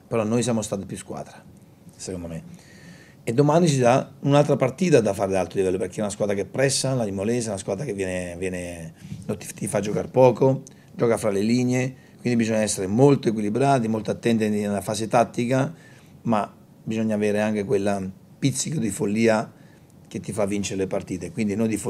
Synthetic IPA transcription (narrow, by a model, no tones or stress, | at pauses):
peɾɔnːojsjaːmost̪aːt̪epjuskwa̰ːd̪ɾa | sekond̪ome | ed̪ːomanit͡ʃid̪aunalt̪ɾapart̪iːt̪ad̪afːaːɾed̪alt̪ɾolivɛlːoperkeɛunaskwaːd̪ɾakepːɾɛsːalalimolɛs̬aunaskwaːd̪ɾakevjɛːnevjɛːnent̪it̪ifad͡ʒːokaɾpɔːko | d͡ʒɔːkafɾaleliɲːe | kwind̪ibizɔɲːaɛsːeɾemolt̪oek̬wilibɾaːt̪imolt̪oat̪ːɛnt̪inelːafaːset̪at̪ːika | ma | bizoɲːaːveːɾeaŋk̟ekwelːa | pit̪sikod̪ifolːiːa | k̟et̪ːifavːint͡ʃeɾelepart̪iːt̪ekwind̪inond̪if